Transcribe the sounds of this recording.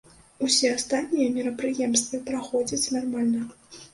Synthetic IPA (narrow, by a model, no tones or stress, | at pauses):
usʲɛast̪at̪ʲnʲijɛmʲiɾɐpɾɨjɛmst̪vɐpɾaxɔd͡zʲɐt͡sʲnarmalʲnɐ